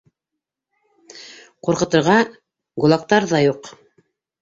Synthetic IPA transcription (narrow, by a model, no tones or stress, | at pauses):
quɾqɤ̆t̪ɤ̆ɾʁɑ | ɡulˠɑk̚t̪ɑɾðɑjuq